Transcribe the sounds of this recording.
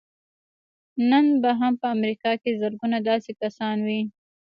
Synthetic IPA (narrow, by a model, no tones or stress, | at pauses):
nənbaɦampəamɾikɑkezəɾɡunad̪ɑsekasɑnwi